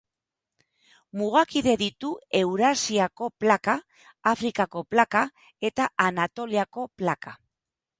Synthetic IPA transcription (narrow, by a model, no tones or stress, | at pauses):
muɣ̞akiðe̞ðit̪ue̞wɾasiako̞plakaː | fɾikako̞plaka | e̞t̪aʔanat̪o̞liako̞plaka